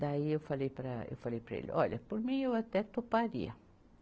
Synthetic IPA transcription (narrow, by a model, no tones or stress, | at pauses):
d̪aiewfalejpɾɐḛwfalejpɾɐ̰ḛlɪ̰ɔʎɐpoɾmĩewat̪ɛt̪opaɾḭɐ